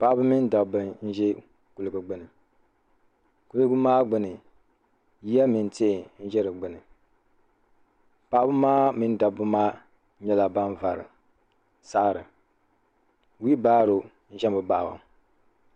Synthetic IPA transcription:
pa˦bɨ˦mi˦n˦da˨bɨ˨n̩˦ʒɛ˦ | ku˨lɨ˨bɨ˨ɡ͡bɨ˦nɨ˨ | ku˦lɨ˦bɨ˦maː˦ɡ͡bɨ˦nɨ˨ | ji˦a˦mi˨n˦te˦˨n̩˦ʒɛ˦ɾɨ˨ɡ͡bɨ˦nɨ˨ | pa˦bɨ˦maː˦mi˦n˦da˨bɨ˦maː˦ | ɲɛ˦la˨ba˦nva˨ɾɨ̰˨ | sa˦˨ɾɨ˨ | wi˦baː˦ɾo˨˦ | n̩˦ʒɛ˦mbɨ˨ba˦˨a̰˨

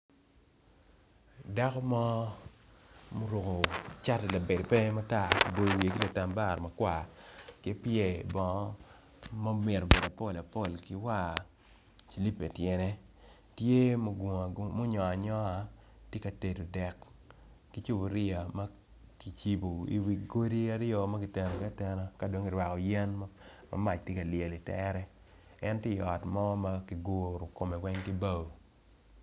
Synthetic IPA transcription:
da˦kɔ˦mɔ˦ | mo˦ɾo˨ko˨t͡ʃa˦tɛ˨la˨be˨dpɛ˦ma˦ta˦˨kbo˦jo˨wi˨e˨ki˦la˨ta˨mba˦˨ɾmɐ˨kwa˨kɛ˦pjɛ˦˨bɔ˨ŋɔ˦ | mɔ˦me˨ɾo˨be˨da˨po˦˨la˨po˦˨lkɪ˦wa˦˨ | fi˨li˦pe˨tjɛ˨nɛ˦ | tje˦mo˦ɡmʊ˦ɲɔ˨a˨ɲɔ˦a˨ | tje˦ka˨te˨to˨dɛ˨k | ki˨t͡ʃu˦bo˨ɾɪ˦a˨ma˦ | ki˨t͡ʃi˦bo˨ḭ˨wi˨ɡo˦ɾi˦a˦ɾɪ˦o˨ma˦ki˨tɛ˨no˨ka˦tɛ˦no˦ka˦do˦ŋɪ˨ɾwa˨kɔ˨jɛ˦nm˦ma̰˦ma˦˨t͡ʃtje˦ka˨ljɛ˨li˨tɛ̰˦ɾɛ˦ | ɛ˦ntje˦˨ɔ˨tmɔ˦ma˦ki˨ɡʊ˦ɾo˨ko˨me˨wɛ˦ŋki˦ba˦˨wo˨

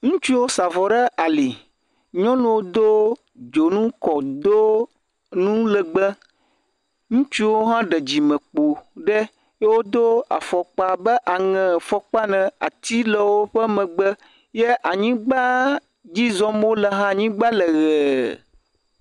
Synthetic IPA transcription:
ŋũ˦t͡ʃu˦wo˦sa˨vɔ˨ɖə˦ʔa˨li˨ | ɲɔ̃˦nũ˦wo˦d̪o˦ | d͡ʒo˨nũ˦kɔ˨d̪o˦ | nũ˦lə˨ɡ͡bə˦ | ŋũ˦t͡ʃu˦wo˦ɦã˦ɖə˨d͡ʑi˨mə̃˨k͡po˨ɖɛ˦ | jwo˦d̪o˦a̰˨fɔ˨k͡pa˦bə˦ʔa˨ŋɛ̃˨fɔ˨k͡pa˦nɛ̃˨a˨t̪i˦lə˨wo˦ɸə˦mə̃˨ɡ͡bə˦ | je˦ʔa˨ɲĩ˦ɡ͡ba˦ | d͡ʑi˦zɔ̃˦m˦o˦lə˨ɦã˦˨ɲĩ˦ɡ͡ba˦lə˨ɣɛ˨

